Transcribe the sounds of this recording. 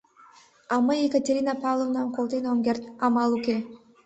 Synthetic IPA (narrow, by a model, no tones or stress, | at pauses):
aməjekatʲeɾʲinapavlˠovnamkolˠt̪enoŋɡʲert̪amalˠuke